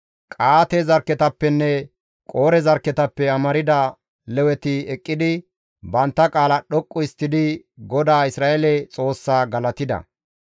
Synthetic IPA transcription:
kʼaːt̪ɛzɐɾkːɛt̪ɐpːɛnːɛ | kʼo̞ːɾɛzɐɾkɛt̪ɐpːɛɐmɐɾɪd̪ɐ | lɛwɛt̪ɪɛkʼːɪd̪ɪ | bɐnt̪ːɐkʼaːlɐɗɔkʼːʊɪst̪ːɪd̪ɪ | ɡɔd̪aːɪsɾaːʔɛlɛt͡sʼo̞ːsːaːɡɐlɐt̪ɪd̪ɐ̰

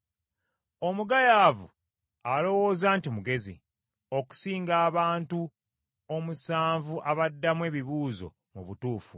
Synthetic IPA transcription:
o̞muɡajaːvṵ | alo̞wo̞ːzaːntimuɡe̞zḭ | o̞ku̥siːŋɡaːβaːntu | omusaːɱvuʔaβadːamwe̞ːβiβuːzo̞̰ | muβutuːfu

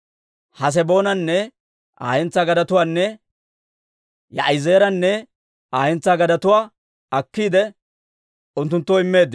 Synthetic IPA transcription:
hɐs̬ɛbo̞ːnɐnːɛ | ʔa̰ːhɛnt͡saːɡɐd̪ɐt̪ʊwaːnːɛ | jɐ̰ʔɐɪzeːɾɐnːɛ | aːhɛnt͡sːaːɡɐd̪ɐt̪ʊwaː | ɐkːiːd̪ɛ | ʊnt̪ːʊnt̪ːoːɪmːe̞ːd̪ːɪ

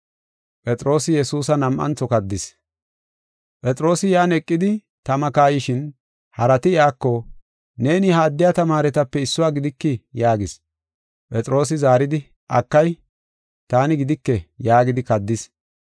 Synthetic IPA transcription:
pʼɛt͡sʼɾo̞ːsɪjɛsuːsɐnɐmʔɐ̰nt͡sːɔkɐd̪ːɪs | pʼɛt͡sʼɾo̞ːsɪjaːnɛkʼːɪd̪ɪ | t̪ɐmɐkaːjɪʃɪn | hɐɾɐt̪ɪɪaːkːɔ | ne̞ːnɪhaːd̪ːɪjat̪ɐmaːɾɛt̪ɐpːɛɪsːʊwaːɡɪd̪ɪkːɪjaːɡɪs | pʼɛt͡sʼɾo̞ːs̬ɪzaːɾɪd̪ɪ | ʔɐkːɐj | t̪aːnɪɡɪd̪ɪkːɛjaːɡɪd̪ɪkɐd̪ːɪs

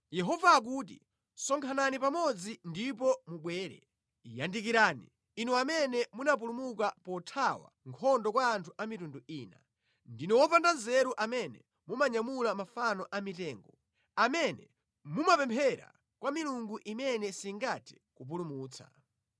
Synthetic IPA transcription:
jɛɦɔvaːk̬uːt̬ḭ | sɔŋkʰananipamɔd͡zindip̬ɔmuɓwɛːɾɛ̰ | ijandikiɾaːnḭː | nuamɛnɛmunap̬ulumukapɔtʰawa̰ŋkʰɔndɔkwaːntʰuʔamitunduiːna̰ | ndinɔwɔpandanzɛɾuʔamɛnɛ | mumaɲamulamafanɔʔamitɛːŋɡɔ | amɛnɛ | mumapɛmpʰɛɾa̰ | kwamiluŋɡuʔimɛnɛsiŋɡatʰi̥ | kup̬ulumuːt͡sʰa̰

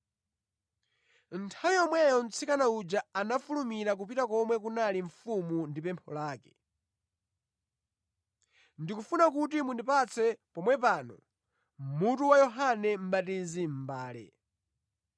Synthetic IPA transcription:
n̩tʰawijɔmwɛjɔn̩t͡sʰikanaud͡ʒaanafulumiɾak̬upitakɔmwɛk̬unaliɱfumundipɛmpʰɔ̰laːkɛ̥ | ndikufunakutimundipat͡sʰɛpɔmwɛpaːnɔ̰ | mutuwajɔɦanɛm̩ɓatizim̩baːlɛ̰

